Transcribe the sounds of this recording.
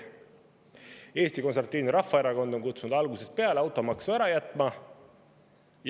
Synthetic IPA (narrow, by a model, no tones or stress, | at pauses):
e̞ːst̪iko̞nsɑrt̪ːiːnuɾɑfːɑe̞ɾɑko̞nd̪̥o̞nkut̪sunud̪ɑlɡuse̞spe̞ɑleɑwt̪ːˑo̞mɑksæɾɑjæt̪ːˑmɑ | j